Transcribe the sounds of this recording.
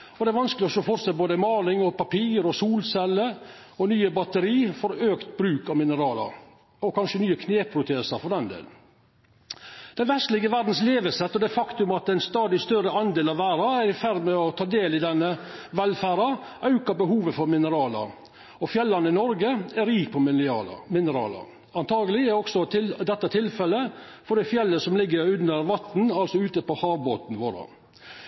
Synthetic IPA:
ɔd̪ɛæɾʋɑnskəlɪɔsɔfɔɾsɛboːd̪əmɑːlɪŋɔpɑpiːɾɔsuːlsɛlːə | ɔnyːəbɑt̪əɾiːfɔɾøːkt̪̚bɾʉːkɑʋmɪnəɾɑːlɑ̰ɾ | ɔkʰɑnʃənyːəkʰneːpʰɾʊt̪ʰeːsɑfɔɾd̪ɛnd̪ḛːln̩ | d̪̥ɛnʋɛst̪lɪɡəʋæɾd̪n̩sleːʋəsɛt̪ːɔd̪ɛfɑkt̪ʉmɑt̪ɛɪnst̪ɑːd̪ɪst̪œɾəɑnd̪eːlɑʋʋæːɾɑæɾɪfæɾmɛɔt̪ʰɑːd̪eːlɪd̪ɛnːəʋɛlfæːɾɑʔɑʉkɑbəɦuːʋəfɔɾmɪnəɾɑːlɑ̰ɾ | ɔfjɛlːɑnəɪnɔɾɡəɛɾiːk̚pʰɔmmɪnəɾɑ̰ːlɑ̰ | ɑnt̪ʰɑːɡəlɪɛɔksɔɪd̪ɛt̪ːɑt̪ʰɪlfɛlːəfɔɖ̪ɛfjɛlːəsɔmlɪɡːəɾʉnːəɾʋɑt̪n̩ɑlsɔʉːt̪əpɔhɑːʋboːt̪n̩ʋoːɾə̰

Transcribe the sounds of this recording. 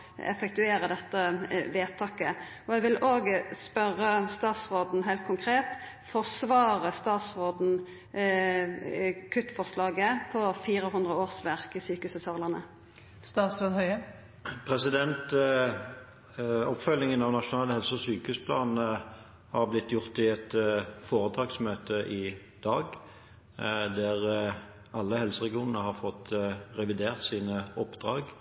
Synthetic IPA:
ɛ̰fɛk̚t̪ʉeːɾəd̪ɛt̪ːəʋeːt̪ʰɑːkə | ɔɛɡʋɪloːɡəspœʁːəst̪ɑːt̪sʁoːd̪n̩ɦæɪlt̪kʰʊŋkʰʁeːt̪ | fɔʁsʋɑːʁəst̪ɑːt̪sʁoːd̪n̩ | kʰʉt̪ːfɔʁʂlɑːɡəpʰɔfiːɾəɦʉnd̪ʁəoːʁsʋæʁkɪsyːkəʉsəsʰɑːʁləʁnə̰ | st̪ɑːt̪sɾoːd̪hœʏə | pʰʁɛsɪd̪ɛnt̪ | ɔpfœlnɪŋənɑʋnɑʃʊnɑːləhɛlsəɔsyːkəʉspʰlɑːnn̩ə | hɑʁblɪt̪ːjʊʁt̪ɪɛt̪foːʁət̪ʰɑːɡsmøːt̪əʔɪ | d̪̥ɑːɡ | d̪æʁ | ɑlːəhɛlsəʁɛɡɪuːnənəhɑʁfɔt̪ːʁɛʋɪd̪eːʁt̪siːnəɔpːd̪̥ʁɑːɡ

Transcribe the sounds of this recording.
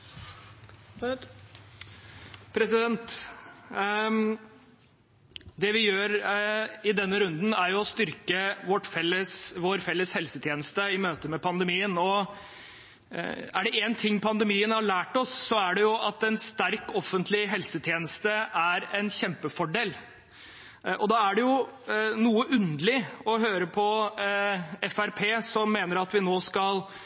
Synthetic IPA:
pʰɾɛsɪd̪ɛnt̪ | d̪ɛʋɪjøːɾ | ɪd̪ɛnːəɾʉnd̪n̩æɾjʊɔst̪ʏɾkəʋɔʈfɛlːəsʋoɾfɛlːəshɛlsət̪ʰjeːnəst̪əɪmøːt̪əmɛpʰɑnd̪əmiːənɔ | æ̰ɖɛʔeːnt̪ʰɪŋːpʰɑnd̪əmiːənhɑɭæːʈɔsːɔæɖɛjʊʔɑt̪ɛnst̪æɾkɔfːənt̪lɪɦɛlsət̪ʰjeːnəst̪əʔæɾɛnɕɛmpəfɔɖeːl | ʔɔd̪ɑːæɖɛjʊnuːəʔʉnd̪əlɪɔɦøːɾəpʰɔ | ɛfæɾpʰeːsɔmːeːnəɾɑt̪ʋɪnoːskɑl

